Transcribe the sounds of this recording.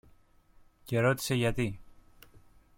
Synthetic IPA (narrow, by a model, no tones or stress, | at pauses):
ce̞ɾo̞t̪i̥se̞ʝɐt̪i